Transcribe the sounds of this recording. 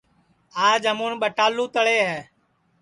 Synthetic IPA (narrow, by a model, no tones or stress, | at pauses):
aːd͡ʒɦəmũːɳɓəʈaːlũːt̪əɭeːɦɛː